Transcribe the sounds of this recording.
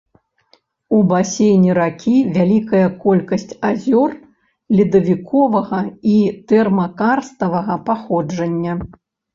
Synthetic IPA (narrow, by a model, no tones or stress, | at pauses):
ubasʲejnʲiɾakʲʰivʲalʲikɐjɐkɔlʲkɐsʲt͡sʲazʲɔr | lʲid̪ɐvʲikʰɔvɐɣɐit̪ɛrmɐkarst̪ɐvɐɣɐpaxɔd͡ʐɐnʲːɐ